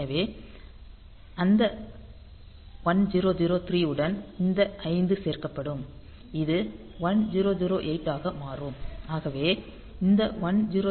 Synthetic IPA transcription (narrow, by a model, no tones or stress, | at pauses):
ɐʋeː | ɐnd̪ɐ | ʋɐɳd͡ʒiɾoːd͡ʒiɾoːt̪ɪɾiːɯɽɐnɪnd̪ɐʔɐɪnd̪ɯseːrkɐpːɐɽɯm | ɪðɯ | ʋɐnd͡ʒiːɾoːd͡ʒiɾoːʔeːʈːaːɣɐmaːrɯːmaːɣɐʋeː | ɪnd̪ɐʋɐnd͡ʒiɾo